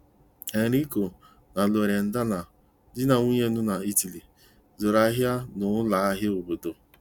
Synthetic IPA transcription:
e˨ɾi˦ko˨ | na˨lo˨ɾe˨n̩˨da˦na˨ | dɪ˦na˨ŋu˦ɲe˦nʊ˦na˨i˦ti˨li˨ | zo˨ɾa˦ɦja˦nʊ˨˦la˨˦a˦ɦɪ˦ʊ˨bʊ˨do˨

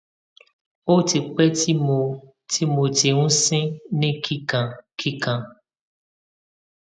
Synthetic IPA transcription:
o˦te˨k͡pɛ˦ti˦mo˨ | tʰi˦mo˨te˨ŋũ˦sẽ˦nẽ˦kʰi˦kã˨kʰi˦kã˨

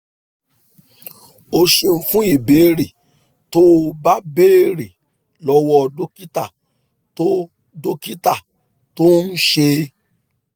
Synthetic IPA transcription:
o˧ʃe˧m̩˧fũ˦i˦˨be˨˦ɾi˨ | to˦˧ba˦be˦˨ɾi˨ | lɔ˦wɔ˦˧do˦ki˦ta˦˨ | to˦ | do˦ki˦ta˦˨ | to˦n̩˦ʃe˧

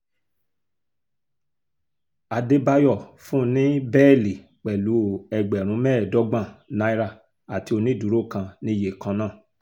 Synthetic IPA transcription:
a˨de˦ba˧jɔ˦˨fũ˦nĩ˦bɛ˦˨li˨ | k͡pɛ˨lu˨˦ɛ˧ɡ͡bɛ˨ɾ̃ũ˨˦mɛː˦˨dɔ˦ɡ͡bã˦˨nã˦i˦ɾa˦˨ | a˨ti˧˦o˧nĩ˦du˨ɾo˦˨kã˧nĩ˦je˨kã˧nãː˦˨

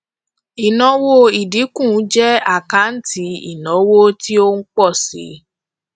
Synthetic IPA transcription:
i˨nɔ̃˨˦wo˦i˨di˨˦kũ˦˨˦d͡ʒɛ˦a˦˨kã˨˦n̩˦ti˧˦ḭ˨nɔ̃˨˦wo˦ti˦o˦ŋ̩˦k͡pɔ˦˨sḭ˨˦

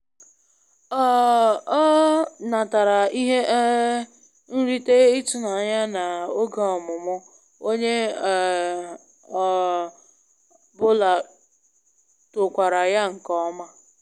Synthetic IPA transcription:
ɔ˦ɔ˦na˨ta˨ɾa˨i˦ɦe˦ʔ | n̩˦ɾi˦te˦ɪ˦tʊ˨na˨ɲa˦na˨o˦ɡa˨ɔ˨mʊ˨mʊ˦ | o˦ɲe˦˨ | bʊ˦la˨ | tʊ˨kʷa˨ɾa˨ja˦ŋ̩˨kɔ˦ma˦

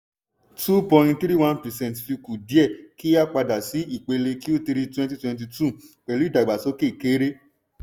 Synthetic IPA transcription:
tu˦pɔ̃˧˨j̃nt̪ɾi˦˨wã˦npɛ˨sɛ̃˦˨tfi˧ku˨di˨˦ɛ˦˨ki˦a˦k͡pa˧da˨si˨˦i˦˨k͡pe˧le˧ki˦o˦ti˧ɾi˧twɛ̃˧nti˧˦twɛ̃˧nt̬i˧tu˦˨k͡pɛ˨lu˨˦i˦˨da˨ɡ͡ba˨so˨˦ke˦˨i˨ke˨˦ɾe˦

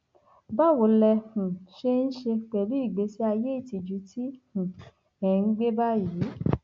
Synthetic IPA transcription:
ba˦˨wo˨˦lɛ˧hũ˨ʃe˧n̩˦ʃe˧k͡pɛ˨lu˨˦i˦˨ɡ͡be˨˦si˦a˧je˦i˦˨ti˧d͡ʒu˨˦tʰi˦hũ˨ | ɛ˨˧˦ɡ͡be˦ba˦ji˨˦

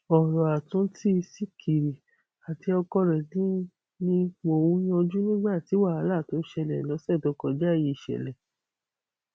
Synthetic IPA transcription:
ɔ˨ɾɔ˨a˨tũ˨˦ti˦˧si˦kʰi˨ɾi˨ | a˨ti˧ɔ˧kɔ˧ɾɛ˨nĩ˨˦ | nĩ˧˦k͡po˧˨wũ˨˦j̃ɔ̃˧d͡ʒu˦nĩ˦ɡ͡ba˦˨ti˨˦wa˦˨a˨˦la˦˨to˨˦ʃɛ˧lɛ˨lɔ˨˦sɛ˦˨dɔ˨˦kɔ˨d͡ʒa˦˨ji˧˦˨ʃɛ̰˨lɛ˨

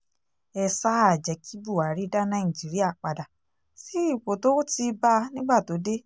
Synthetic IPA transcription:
ɛ˧sa˦a˨d͡ʒɛ˨˦kʰi˦bu˦˨a˨˦ɾi˦da˦nã˦ĩ˨d͡ʒi˨˦ɾi˦a˦˨k͡pa˨da˨ | si˦i˦˨k͡po˨to˦ti˧ba˦˧nĩ˦ɡ͡ba˦˨to˨˦de˦

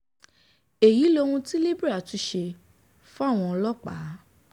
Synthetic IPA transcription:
e˨ji˨˦lo˧ũ˧ti˦le˦bɾa˦˨tu˦ʃe˧ | fũ˦a˦˨w̃ɔ̃˧ɔ˧lɔ˦˨k͡pa̰˨˦

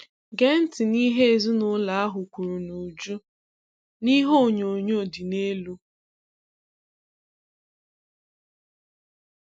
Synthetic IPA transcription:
ɡe˦n̩˦tɪ˨ni˦ɦe˦e˨zu˦nʊ˦la˨˦a˦ɦʊ˨kʷu˨ɾu˨nu˨d͡ʒu˦ | ni˦ɦo˦˨ɲo˨ɲo˦˨di˨ne˦lu˦

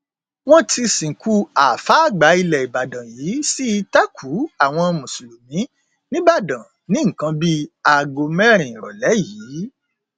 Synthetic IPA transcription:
wɔ̃˦ti˧sĩ˨ku˦a˨fa˨˦˨ɡ͡ba˨˦i˧lɛ˨i˨ba˨dã˨jiː˨˦si˦i˧tɛ˦kʰu˨˦a˦˨w̃ɔ̃˧mũ˨su˨lu˨mĩ˨˦ | nĩ˦ba˦˨dã˨ | nĩ˦ŋ̩˨kã˨˧bi˦a˨ɡo˨mɛ̃˦ɾ̃ĩ˨ɾɔ˨lɛ˨˦jiː˨˦

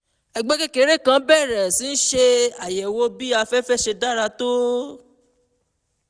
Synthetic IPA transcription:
ɛ˨ɡ͡bɛ˦ke˦ke˨˦ɾe˦˨kã˦bɛ˦˨ɾɛ˨sĩ˨˦n̩˦ʃe˧a˨jɛ˨wo˦bi˦a˧fɛ˦fɛ˦ʃe˧da˦˨ɾa˧to˦

